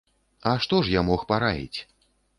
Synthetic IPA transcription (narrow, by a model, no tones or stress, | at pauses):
ɐʂt̪ɔʂjamɔxpaɾajʲḭt͡sʲ